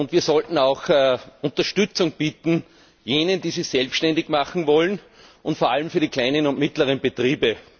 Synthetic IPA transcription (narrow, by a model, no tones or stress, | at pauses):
ʊndviːɐsɔltn̩aʊxʔʊ̃ntɐʃtʏt͡sʊŋb̥iːt̪n̩ | jeːnəndiːsisɛlpsʃtɛndɪçmaχn̩vɔlən | ʔʊntfoːɐʔaləmfyːɐɾikʰl̥aɪnənʊntmɪtlɐʁənb̥etʁiːbə